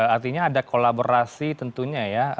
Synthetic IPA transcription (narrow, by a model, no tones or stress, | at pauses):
art̪iɲaːdakolaboɾasit̪ənt̪uɲaja